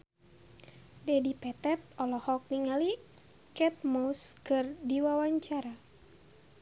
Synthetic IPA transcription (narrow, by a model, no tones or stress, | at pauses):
dɛdipɛt̪ɛt̪̚ɔlɔhɔk̚niŋali | kɛt̪̚moskɨrdiwawaɲt͡ʃaɾa